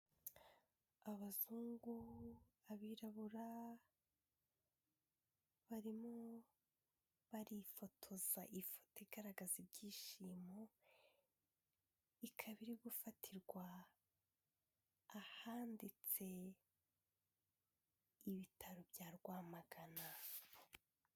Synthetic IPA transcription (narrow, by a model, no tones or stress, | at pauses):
aβazuːŋɡuaβiːɾaβuɾa | βaɾimo | βaɾifo̞tʰo̞z̥aʔifo̥toiɡaɾaɡazibɟiːʃiːmo | ikʰaβiɾiɡufatʰiɾɡwa | haːndit͡se̞ | iβitʰaɾobjaːɾɡwaːmaɡ̥ana